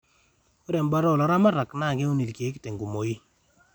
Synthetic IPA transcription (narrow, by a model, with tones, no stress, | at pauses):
o˦ɾɛ˨mba˦ɾɔ˨lɔ˨ɾa˦ma˦ɾa˨kna˦˨ɡe˦o˦ni˨lke˨˦kte˨ŋɡo˨mo˨i˦